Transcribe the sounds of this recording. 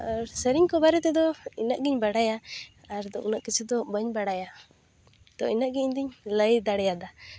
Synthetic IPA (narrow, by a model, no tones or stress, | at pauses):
aɾsəɾiɲkɔbaɾɛt̪ɛd̪ɔinaʔɡiɲbaɽajaː | ɾd̪ɔʔunaʔkit͡ʃʰud̪ɔbəɲbaɽaja | d̪̥ɔinaʔɡiɲɲd̪iɲləjd̪aɽɛjad̪a